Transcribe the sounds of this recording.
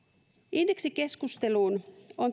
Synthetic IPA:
ʔind̥eksike̞skust̪eluːnoŋ

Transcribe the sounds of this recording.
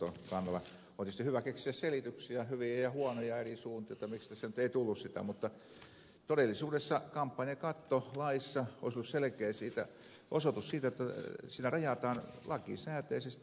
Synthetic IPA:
o̰kɑnːɑlːˑɑ | oˑt̪ist̪ehyʋækeksiæsselit̪yksiæhyʋiæjɑhuonojɑerisuːnt̪ijot̪ːɑmikst̪æsenyt̪eit̪ulːussit̪æ̰mut̪ːɑ | t̪odelːˑisuːdesːɑkɑmpːɑnʲjɑkɑt̪ːolɑisːɑo̰ˑisolːusselekeːsiːt̪æ̰ | ʔosot̪ussiːt̪æot̪ːæsiːnærɑjɑt̪ɑːnlɑkḭsæːt̪eisest̪

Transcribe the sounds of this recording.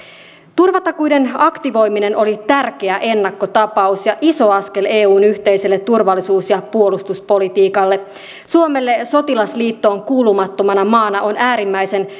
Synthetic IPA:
t̪urʋɑt̪ɑkujde̞nɑkt̪iʋo̞jmine̞nʔo̞lit̪ærk̟eæʔe̞nːɑkːo̞t̪ɑpɑusjɑʔiso̞ɑske̞le̞ːuːnyçt̪e̞jse̞lːet̪ːurʋɑlːisuːsjɑpuo̞lust̪uspo̞lit̪iːkɑlːe̞ | suome̞lːe̞so̞t̪ilɑsliːt̪ːo̞ːŋkuːlumɑt̪ːo̞mɑnɑmɑːnɑʔo̞næːɾimːæjse̞n

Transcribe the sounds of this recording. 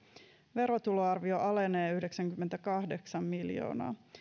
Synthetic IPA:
ʋe̞ɾot̪uloɑrʋio̞ʔɑle̞neːyhdeksæŋkymːent̪ækɑhdeksɑmːiljo̰ːnɑ̰ː

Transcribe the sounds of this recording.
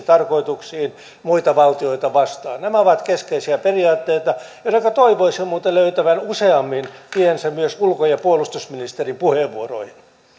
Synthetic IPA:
t̪ɑrkoit̪uksiːn | muit̪ɑʋɑlt̪ioit̪ɑʋɑst̪ɑ̰ːnnæmæoʋɑt̪keskeisiæperiɑːt̪ːeit̪ɑjonːekøt̪oiʋoisemuːt̪ɑløyt̪æʋænuseɑmːintiensæmyøsulkojɑpuolust̪usminist̪erimpuheʋʋuoro̰ihin

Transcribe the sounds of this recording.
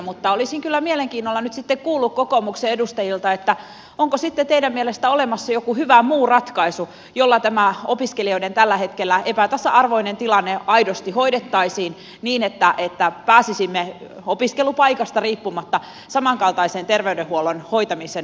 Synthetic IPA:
mut̪ːɑolisiŋkylːæmieleŋkiːnːolːɑnyt̪sit̪ːekkuːlːukkokomukseedust̪ɑjilt̪ɑet̪ːæ | oŋkosit̪ːet̪eidæmːielest̪æolemɑsːɑjokuhyʋæmuːrɑt̪kɑisu | jolːɑt̪æmæopiskelioident̪ælːæhe̞t̪kelːæepæt̪æsːæɑrʋoinent̪ilɑnːeɑidost̪ihoidet̪ːɑisiːn | niːnet̪ːæʔet̪ːæpæːsisimːe | opiskelupɑikɑst̪ɑriːpːumɑt̪ːɑ | sɑmɑŋkɑlt̪ɑisent̪erʋeydehuolonhojt̪ɑmiseːn

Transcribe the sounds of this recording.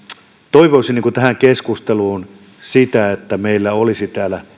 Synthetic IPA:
t̪oiʋoisiniːkut̪æhæŋkeskust̪eluːn | sit̪æet̪ːæmeilːæolisit̪æːlæ

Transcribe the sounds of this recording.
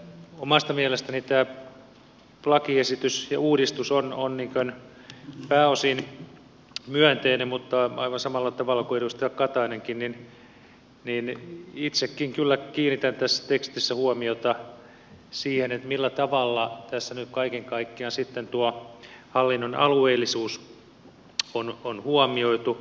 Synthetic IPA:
omɑst̪ɑmiælest̪ænit̪æː | plɑkiesit̪ysjɑuːdist̪usononniːŋkøn | pæːosin | myønt̪einemmut̪ːɑɑ̰iʋɑnsɑmɑlːɑt̪ɑʋɑlːɑkueɾust̪æɑkkɑt̪ɑineŋkinnin | ninit̪sekːiŋkylːækiːnːit̪ænt̪æsːæ̥t̪ekst̪isːæhuɔmiot̪ɑ | siːhenet̪milːæt̪ɑʋɑlːɑt̪æsːænyt̪kɑikeŋkɑikːiɑnsit̪ːent̪uɔhɑlːinːonɑ̰lueilːisuːs | ononhuɔmioit̪u

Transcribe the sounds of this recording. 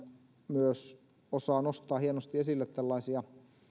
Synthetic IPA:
myøs | osɑːnost̪ɑːhienost̪iesilːet̪t̪ælːɑisiɑ

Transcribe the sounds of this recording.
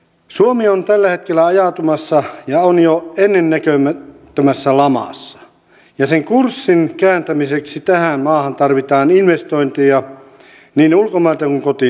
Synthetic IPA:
suomiont̪ælːæhet̪kelːæɑjɑˑt̪umɑsːɑjɑonjoenːenːækømæt̪ːømæsːælɑmɑ̰sːɑ̥ | jɑseŋkursːinkæːnt̪æmiseksit̪æhænmɑːhɑnt̪ɑrʋit̪ɑːninʋest̪oint̪ijɑ | niːnulkomɑˑelt̪ɑkuŋkot̪i

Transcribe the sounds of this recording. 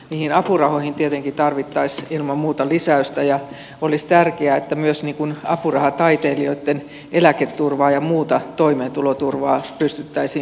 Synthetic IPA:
niːhinɑpurɑhoihint̪iet̪eŋkit̪ɑrʋit̪ːɑisilmɑmmuːt̪ɑlisæyst̪æjɑ | olist̪ærkeæet̪ːæmyøsniːŋkunɑ̰purɑhɑt̪ɑit̪eːlioit̪ːen | ʔelæket̪ːurʋɑːjɑmuːt̪ɑt̪oimeːnt̪ulot̪urʋɑːpyst̪yt̪ːæisiː

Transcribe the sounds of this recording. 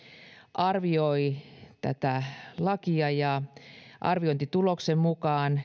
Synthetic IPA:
ʔɑrʋioit̪æ̰t̪ælɑkiɑjɑʔɑ̰rʋioint̪it̪uloksemmukɑːn

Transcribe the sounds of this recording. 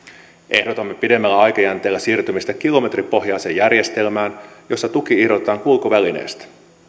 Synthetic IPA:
ʔe̞hdo̞t̪ɑmːepide̞mːælːæɑjkɑjænt̪e̞ːlːæsiːrt̪ymist̪ækilo̞me̞t̪ripo̞ɦjɑjseːjærje̞st̪e̞lmæːnjo̞sːɑt̪uk̟iihdo̞t̪et̪ɑːŋkulkoʋæline̞̰ːst̪æ̥

